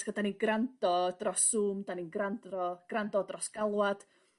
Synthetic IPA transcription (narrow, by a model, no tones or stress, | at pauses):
ɡ̥ədaninɡrandɔdrɔsuːmdaninɡrantrɔɡ̥randɔdrɔsɡ̥alˠwad̥